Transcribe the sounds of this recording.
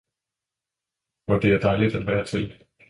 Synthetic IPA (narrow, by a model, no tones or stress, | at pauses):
ʋɒd̥e̝æɐd̥ɑ̈ɪlid̥æd̥ʋæːɐt͡sʰe̝l